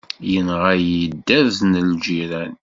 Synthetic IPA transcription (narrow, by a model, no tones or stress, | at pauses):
jənʁajəd̪ːæðθnəld͡ʒiɾæn